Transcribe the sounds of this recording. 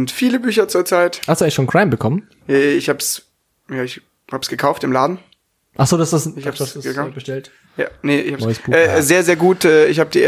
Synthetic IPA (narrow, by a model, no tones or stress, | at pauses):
ntfiːləbyːçɐt͡suːɐt͡saɪthastduːʔɛçʃoːnkʁ̥aɪmbəkʰɔmən | ɛːɪçhaːbs | jaːɪç | haːbəsɡ̥əkʰaʊftɪmlaːdn̩ | ʔaχsz̥oːdasd̥asahasd̥uaabəʃtɛlt | ja̰neʔɪçhaːbnɔʏəsb̥uːʔɛːzeːɐzeːɐɡuːtʔɛːɪçhaːbədi